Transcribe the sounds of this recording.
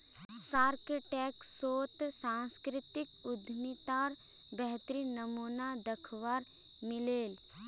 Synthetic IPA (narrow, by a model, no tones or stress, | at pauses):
saːɾkeʈɛːksoːt̪sãːnskɾɪt̪ɪkʊd̪ʱmit̪aːɾ | bɛɦt̪ɾinəmuːnad̪ɐkʰʋaːɾ | mɪleːl